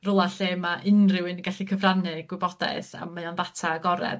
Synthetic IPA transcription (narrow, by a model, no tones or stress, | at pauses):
rʊlˠaɬeːmaʔɪnrɪwɨnɡaɬikʰəvranɨɡ̥wɪbɔda̰ɨθa̰mːaɔnðatʰaɡɔɾɛ̰d